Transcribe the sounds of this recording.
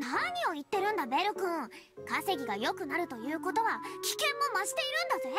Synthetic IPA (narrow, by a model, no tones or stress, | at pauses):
naɲ̟io̞it̪ːe̞ɾɯ̟̃nd̪abe̞ɾɯkɯ̟̃ | kase̞ɡʲiɡajo̞kɯ̟naɾɯ̟t̪o̞jɯ̟ːko̞t̪o̞βakʲi̥kẽ̞mːo̞maʑi̥t̪e̞iɾɯ̟̃nd̪aze